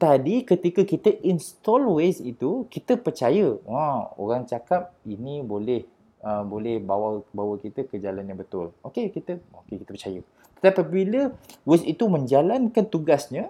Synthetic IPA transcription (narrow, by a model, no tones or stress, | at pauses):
t̪adikət̪ikəkit̪əʔinst̪ɔlwesit̪ukit̪əpərt͡ʃajəwão̰ɾaŋt͡ʃakap̚inibolɛh | əbolɛhbawabawəkit̪əkəd͡ʒalanɲãbət̪ʊlokekit̪əokekit̪əpərt͡ʃajə | t̪ə̥t̪apibiləwesit̪umə̃ɲd͡ʒalankant̪uɡasɲə̃